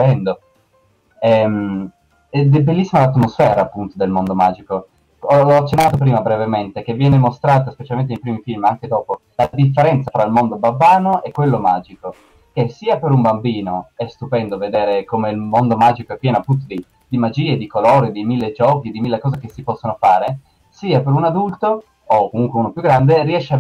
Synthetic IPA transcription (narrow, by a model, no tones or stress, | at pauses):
pɛnd̪o | ɛm | ɛd̪belːisːimalat̪mosfɛːɾaːpːunt̪od̪elmond̪omaːd͡ʒiko | ɔlɔat͡ʃːenːaːt̪opɾiːmabɾevement̪ek̟evːjɛːnemost̪ɾaːt̪ospet͡ʃalment̪enejpɾiːmifilmaŋk̟ed̪ɔːpo | lad̪ifːeɾɛnt̪safɾailmond̪obabːaːnoʔɛkːwelːomaːd͡ʒiko | k̟esiːapeɾumbambiːnoɛst̪upɛnd̪oved̪eːɾekomeilmond̪omaːd͡ʒikoɛpːjɛːnoapːunt̪̬od̪i | d̪imad͡ʒiːed̪ikoloːɾed̪imilːed͡ʒɔːkid̪imilːekɔːzek̟esipɔsːonofaːɾe | siːapeɾunad̪ult̪o | okːomuŋkweuːnopjuɡːɾand̪eriɛʃːea